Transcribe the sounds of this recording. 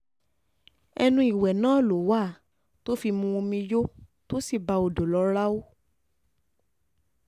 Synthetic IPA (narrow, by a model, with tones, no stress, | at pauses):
ɛ̰˧nũ˧˦i˨wɛ˨nãː˨˦˨lo˨˦wa˦˨ | to˦fi˧mũ˧o˧mĩ˧jo˦ | to˦si˦˨ba˧o˨do˨lɔ˨˦ɾa˦o˦